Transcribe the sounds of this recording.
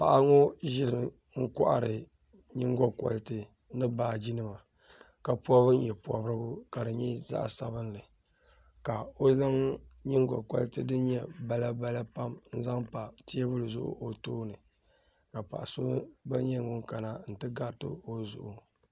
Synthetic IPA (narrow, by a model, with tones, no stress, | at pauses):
pa˨ʔa˦ŋo˦ʒɪ˦ɾɨ˨ | ŋ̩˦kɔ̰˦ʔa̰˨ɾɨ˨ | ɲi˦ŋɡɔ˦kɔ̰˨ltɨ˦ | nɨ˦baː˦d͡ʒi˦nɨ˦ma˨ | ka˨pɔ˦bɨ˦n̩˦jɛ˨pu˨ɔ˨bɾɨ˦ɡʊ˦ka˨dɨ˨ɲɛ˦za̰˦ʔsa˦bɨ˦n˦lɨ˨ | ka˨o˦za˦ŋɲi˦ŋɡɔ̰˨kɔ̰˦ltɨ˦dɨ˦ɲɛ˦ba˦la˦ba˦la˦pa˦mn̩˦za˦ŋpa˨ti˦ɛ˦bʊ˦lɨ˨zʊ̰˦ʔʊ̰˦ʔo˦toː˦nɨ˨ | ka˨pa̰˨ʔa˨so˦ba˦ɲɛ˦˨ŋʊ˦ŋka˨na˨n̩˨tɨ˦ɡa˦˨tɨ̰˦o˦zʊ̰˨ʔʊ˨